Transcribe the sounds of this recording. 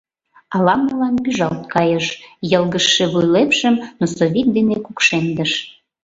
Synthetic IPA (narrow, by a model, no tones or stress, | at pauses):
ɑlɑməlɑnpyʒɑlt̪̚kɑjəʃjəlˠɣəʃːeβujlepʃə̆mnosoβik̪̚d̪enekukʃend̪əʃ